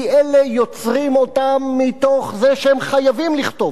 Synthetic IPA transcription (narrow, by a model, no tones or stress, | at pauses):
ʔelejo̞t͡sʁimo̞t̪amːit̪o̞χzeʃeemχajavimliχt̪o̞v